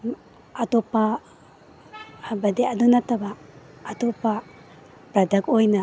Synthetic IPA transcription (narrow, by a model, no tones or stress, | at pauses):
atopa | bɐdeɐdunɐtɐbaːtopa | pɾɐdɐkojna